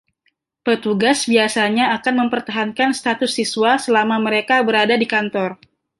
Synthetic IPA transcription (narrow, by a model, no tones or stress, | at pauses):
pət̪uɡasbiasaɲaːkanməmpərt̪aɦankanst̪at̪ʊsːiswasəlamaməɾekabəɾadadikant̪ɔr